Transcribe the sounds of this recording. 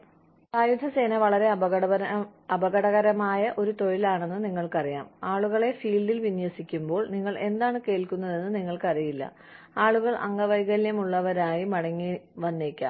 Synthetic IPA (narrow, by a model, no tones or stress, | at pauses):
saːjud̪ʱɐse̞ːnɐʋɐɭɐɾe̞ɐ | ɐbɐɣɐɽɐɣɐɾɐmaːjɐʔo̞ɾut̪o̞ɻilaːɳe̞nːɨniŋːɐɭkɐrija̰ːmaːɭuɣɐɭe̞fiːɭɖilʋinjɐsikʲːumbo̞ːɭniŋːɐɭe̞nd̪aːɳɨke̞ːlkunːɐðe̞nːɨniŋːɐɭkɐrijilːɐ̰ | aːɭuɣɐɭʔɐ̰ŋːɐʋɐjɣɐljɐmuɭːɐʋɐɾaːjimɐɽɐŋːiʋɐnːeːkʲːa̰ːm